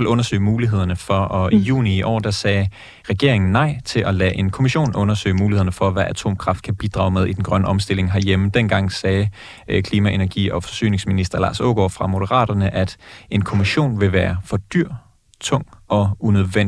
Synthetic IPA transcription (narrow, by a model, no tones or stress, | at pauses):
elɔ̽nɐsø̰ɪmuːliɦe̝ð̞̰ˠɐnəfɒ̽ʔɒ̽ijṵːniːʔɒ̰ːd̥ɑsɛː | ʁɛɡ̥e̝ɐ̰e̝ŋn̩nɑ̈ɪ̰t͡sʰe̝lʔɒlɛ̰ːʔe̝nkʰo̝miɕo̝̰ːnʔɔ̽nɐsø̰ɪmuːliheðˠnəfɒ̽ʋæʔæt͡sʰo̝̰ːmkʰʁɑ̈fd̥̚kʰæb̥id̥ʁɑ̈ʊmeðˠid̥enɡ̥ʁɶnəɒ̽msd̥e̝l̰e̝ŋɦæɐjeməd̥enɡ̥ɑ̈ŋ̰sɛː | kʰliːmæʔe̝næɐɡ̥ḭːɒ̽fɒ̽sy̰ːne̝ŋsminisd̥ɐlɑ̈ːsɔ̰ɡ̥ɒ̰fʁɑ̈mo̝d̥əʁɑ̰̈ːɾ̥ɐnəʔæd̥e̝nkʰo̝miɕo̝̰ːnʋe̝ʋæːɐfɒ̽d̥yɐ̰ | t͡sʰɔ̽ŋ̰ɒ̽unøðˠʋen